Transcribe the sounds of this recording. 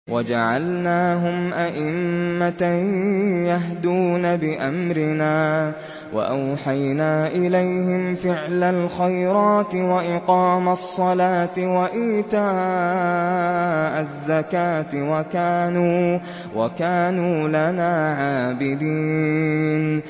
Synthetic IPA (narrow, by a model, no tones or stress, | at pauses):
wʔad͡ʒa̰ʕalnaːɦʊmʔaʔɪmːat̪a | jaɦd̪uːnabɪʔamɾɪnaː | wa̰ʔawħajnaːʔɪlajhɪmfɪʕlalxajɾɑːt̪ɪwaʔɪqɑːmasˤːɑlaːt̪ɪwaʔiːt̪aː | ʔazːakaːt̪ɪwakaːnuː | wa̰kaːnuːlanaːʕaːbɪd̪iː | n